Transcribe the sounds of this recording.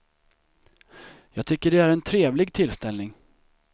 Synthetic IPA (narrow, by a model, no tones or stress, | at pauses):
jɑːɡ̚t̪ʰʏkːəɖɛæɾɛnt̪ʰɾeːvlɪɡt̪ʰɪlst̪ɛlnɪŋ